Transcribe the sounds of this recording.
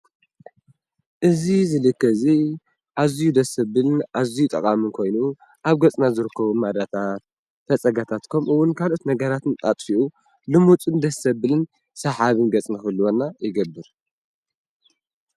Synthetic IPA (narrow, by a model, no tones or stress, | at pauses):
ʔɨzizɨlɨkːɐzi | ʔazijud̪ɐsɐbɨlɨnʔazijut̪ʼɐ̰kʼamɨnkʰo̞jnu | ʔaβɡɐt͡sʼnazɨɾɨkːɐβumad̪at̪ʰat̪ | fɐt͡sʼɐɡat̪ʰat̪kʰomɨwʊnkʰalo̞t̪nɐɡɐɾat̪ɨnʼat̪ʼfiʔu | lɨmut͡sʼɨnd̪ɐsɐbɨlɨn | sɐħaβɨnɡɐt͡sʼnɨxɨlːuwonːajɪɡɐbːɨɾ